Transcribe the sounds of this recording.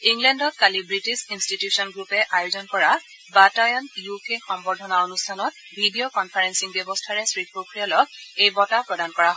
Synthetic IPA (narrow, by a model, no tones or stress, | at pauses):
iŋlɛndɔt̚kalibɹitisinstitjusɔnɡɹupɛʔajozɔnkɔɹa | batajɔnjukexɔmbɔdʱɔnaonustʰanɔt̚bʱidiokɔnpʰaɹɛnsiŋbjɔbɔstʰaɹɛsɹipɹokɹiɔlɔkejbɔtapɹɔdankɔɹaɦɔ